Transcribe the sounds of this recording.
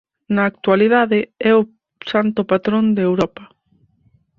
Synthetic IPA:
nɐːk̚t̪ualiðaðɪɛʊ | sant̪ʊpat̪ɾond̪ewɾɔpɐ

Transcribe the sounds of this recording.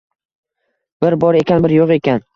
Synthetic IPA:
b̥ɪɾbɒɾe̞kʲʰanbɪɾjoqe̞kʲan

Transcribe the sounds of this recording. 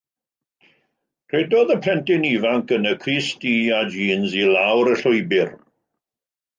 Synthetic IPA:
r̥ɛdɔðəpʰɛntɪnivaŋkənəkʰriːstiːad͡ʒiːnzilawɾəɬʊjbɪr

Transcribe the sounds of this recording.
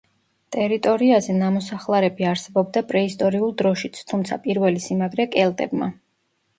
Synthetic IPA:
t̪ʼɛɾit̪ʼɔɾiazɛnamɔsaχlˠaɾɛbiaɾsɛbɔb̚d̪apʼɾɛist̪ʼɔɾiulˠd̪ɾɔʃit̪sʰt̪ʰumt̪sʰa̰pʼiɾvɛlisimaɡɾɛkʼɛlˠt̪ʼɛbma

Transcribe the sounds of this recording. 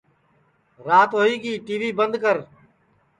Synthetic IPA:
ɾaːt̪ɦoːiːɡiːʈiːʋiːbənd̪kəɾ

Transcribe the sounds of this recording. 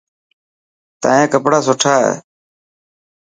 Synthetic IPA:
t̪a̰ːẽːkəpɽaːsʊʈʰaːɦḛː

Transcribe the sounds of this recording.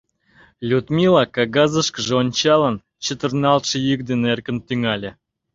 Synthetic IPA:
lʲud̪mʲilˠɑkɑɡɑzəʃkəʒeonʲt͡ɕɑlən | t͡ɕə̆t̪ə̆rnɑlt̪ʃə̆jyk̚d̪enerkə̆nt̪yŋɑlʲĕ

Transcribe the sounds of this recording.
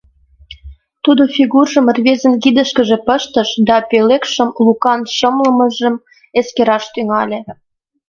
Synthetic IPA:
t̪ud̪ofʲiɣurʒə̆mərβezə̆nkid̪ə̆ʃkəʒĕpəʃt̪əʃd̪ɑpelekʃəmlukɑnʃəmlə̆məʒə̆m | eskeɾɑʃt̪yŋɑlʲe

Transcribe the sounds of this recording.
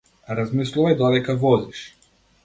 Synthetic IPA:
ɾazmislˠuvajd̪ɔd̪ɛkavɔziʃ

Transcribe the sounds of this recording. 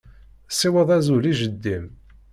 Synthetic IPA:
siwəðˤæzuliʒəd̪ːim

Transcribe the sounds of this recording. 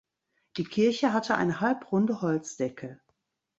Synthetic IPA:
d̥iːkʰɪɐçəɦatʰəʔa̰ɪnəhalpʁʊndəhɔlt͡sd̥ɛkʰə

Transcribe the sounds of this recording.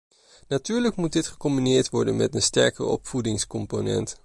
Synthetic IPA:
natyːɹləkmut̚dɪtχə̥kɔmbinɪːɹtʋɔɹdənmɛtənstɛ̰ɹkə̰rɔ̰pfudɪŋskɔmponɛ̰nt

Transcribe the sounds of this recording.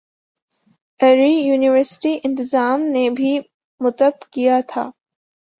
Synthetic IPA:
ɛɾijuːnɪʋəɾsɪ̥ʈiʔɪ̃nt̪ɪzaːmnebʱi | mʊt̪əbkijat̪ʰa̰ː

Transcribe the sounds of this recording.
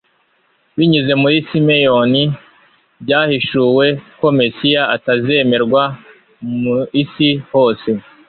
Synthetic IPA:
βiɲize̞mujisimejo̞ni | bɟaːhiʃuwe̞ko̞mesijaʔataze̞me̞ɾɡwa | uisiho̞ːse̞

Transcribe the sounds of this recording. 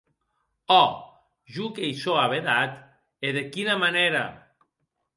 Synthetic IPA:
ɔ | ʒukejsoaβeðat̪ | eðekinamaneɾa̰

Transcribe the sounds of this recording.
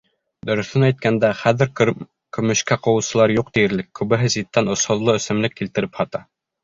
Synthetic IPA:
d̪ɵ̆ɾɵ̆θɵnæjt̪̚kænd̪æχæðɘɾ | kɵ̆mɵ̆ʃkæqŏwɤ̆wsɤ̆lˠɑɾjuq̚d̪ijɘ̆ɾlɘkːʉβɘ̆ɦɘzit̪ːænŏsŏðlˠɤɵ̆sɘ̆mlɘkːilt̪ɘ̆ɾɘphɑt̪ɑ

